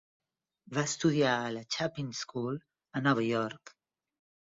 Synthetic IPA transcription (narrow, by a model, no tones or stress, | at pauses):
vast̪uðiaələt͡ʃapinskul | ənɔβəjɔɾk